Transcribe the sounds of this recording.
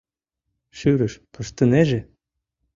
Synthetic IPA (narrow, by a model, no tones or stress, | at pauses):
ʃyɾɘ̆ʃpɤ̆ʃt̪ɤ̆neʒĕ